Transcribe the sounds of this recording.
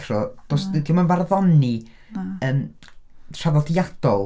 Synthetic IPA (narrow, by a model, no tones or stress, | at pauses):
rɔd̥ɔsdimanvarðɔni | əːm | r̥avɔdiad̥ɔlˠ